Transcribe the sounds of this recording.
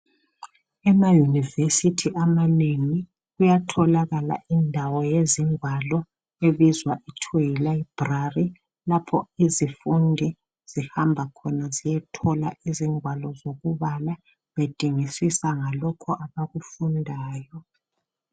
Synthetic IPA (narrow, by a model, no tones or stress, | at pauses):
ɛmajunivesitʰiʔamaneŋi | ɣujatʰɔlaɣala̰ʔindʱawɔjeziŋwalɔ | eβizwaʔitʰeilaib̥rari | lapʰɔizifundʱi | z̥ihambʱakʰɔnazijɛtʰɔlaʔiziŋʱwalɔzoɣuβala | βed̥ʱiŋisisaŋalɔkʰɔʔaβaɣufundʱaːjɔ